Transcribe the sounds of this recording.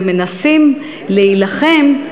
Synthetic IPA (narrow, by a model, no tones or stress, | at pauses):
me̞nasim | leilaχe̞m